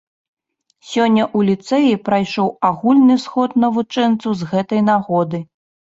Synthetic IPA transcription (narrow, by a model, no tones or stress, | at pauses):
sʲɔnʲːɐʔulʲit̪sɛjipɾajʂɔwaɣulʲnɨsxɔt̪̚nɐvut͡ʂɛnt̪sɐwzɣɛt̪ɐjnaɣɔd̪ɨ